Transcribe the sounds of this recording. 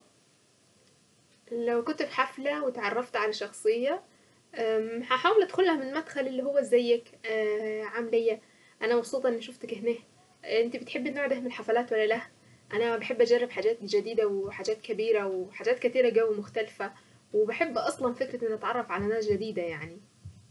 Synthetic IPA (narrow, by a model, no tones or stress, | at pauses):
læwkʊnt̪fħaflæwɪt̪ʕɑrˤːɑft̪ʕalaʃːɑxsˤɨjːɑ | ʔæhaħaːwɪlʔad̪xʊlːæhæmɪnmæd̪xælʔɪlːiːɦowːæzːæjːækː | ʕamælɪjːæ | ʔænæmɑbsˤuːt̪ˤʔenːʃʊft̪akɪhneːh | ʔɪnt̪ibɪt̪ħebːɪnːoːʕd̪ahmɪlħafælæːt̪wælːælæh | ʔænæbaħebːʔad͡ʒærˤːɪbħaːd͡ʒæːt̪̚d͡ʒad̪iːd̪awħaːd͡ʒæːt̪kabiːɾawħaːd͡ʒæːt̪kɪt̪iːɾaɡæwːmʊxt̪ælfæ | wɪbaħebːʔɑsˤlɑnfɪkɾaɪnːʔat̪ʕɑrˤːɑfʕalænæːd͡ʒad̪iːd̪ajaʕni